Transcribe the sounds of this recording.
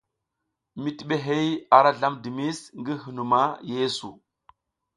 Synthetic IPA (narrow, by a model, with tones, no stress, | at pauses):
mi˨ti˨ɓe˦ɦe˦ja˨ɾa˦ɮa˦mdi˨mi˦sŋɡi˦ɦu˨nu˨ma˦je˦su˨